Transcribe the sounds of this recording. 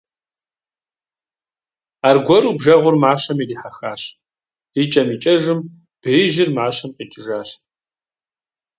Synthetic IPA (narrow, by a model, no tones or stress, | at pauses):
aːrɡʷɔɾubʒɐʁʷʊrmaːɕɐmiriːħaxaːɕ | it͡ʃʼɐmiːt͡ʃʼɐʒɨm | b̥iːʒɪrmaːɕɐmqʼiːt͡ʃʼʒaːɕ